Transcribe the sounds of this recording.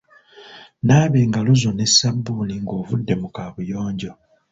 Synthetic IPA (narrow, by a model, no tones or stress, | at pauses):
naːβeːŋɡaluzo̞ne̞sːabːuniŋɡo̞ːvudːe̞mukaːβujo̞ːɲɟo̞